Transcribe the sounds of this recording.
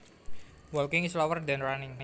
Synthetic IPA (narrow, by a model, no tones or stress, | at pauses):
wɔlkɪŋislɔwərd̪anranɪŋn